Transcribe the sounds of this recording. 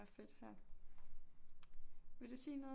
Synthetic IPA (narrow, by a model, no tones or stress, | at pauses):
ɐfe̝d̥hæɐ̰ | ʋe̝ld̥usiːnɔ̽ː